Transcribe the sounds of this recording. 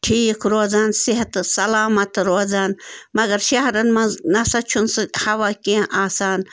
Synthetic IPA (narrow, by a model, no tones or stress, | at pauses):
ʈʰiːkɾoːzaːnsiɦt̪ɨsɐlaːmɐt̪ɾoːzaːnmɐɡɐɾʃɐɦɾɐnmɐnɐsɐt͡ʃʰunsɨhɐʋaːkiʔaːsaːn